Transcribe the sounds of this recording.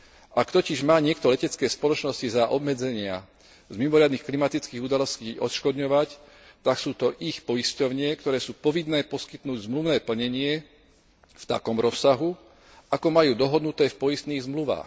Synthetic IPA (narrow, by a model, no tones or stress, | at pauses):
ʔakt̪ɔciʒmaːɲɪɛkt̪ɔlɛcɛt͡skɛːspɔlɔt͡ʃnɔscizaʔɔbmɛd͡zɛɲɪa | zmimɔɾɪad̪niːxklimat̪it͡skiːɣud̪alɔsciːɔt̪ʃkɔd̪ɲɔʋac | t̪aksuːt̪ɔʔixpɔjiscɔʊɲɪɛkt̪ɔɾɛːsuːpɔʋinːɛːpɔskit̪nuːɟzmluʋnɛːpl̩ɲɛɲɪɛ | ft̪a̰kɔmɾɔsːaɦu | ʔakɔmajuːd̪ɔɦɔd̪nut̪ɛːfpɔjist̪niːɣzmluʋa̰ːx